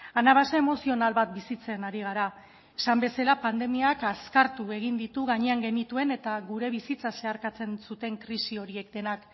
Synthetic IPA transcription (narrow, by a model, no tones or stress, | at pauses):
anaβ̞asaemo̞sio̞nalβat̪̚bisit͡se̞naɾiɣ̞aɾa | esambe̞selapand̪e̞miakaskaɾt̪ue̞ɣ̞ind̪it̪uɣaɲe̞aŋɡe̞nit̪ue̞ne̞t̪aɣuɾe̞βisit͡sase̞aɾkat͡se̞nsut̪e̞ŋkɾisio̞ɾie̞kd̪e̞nak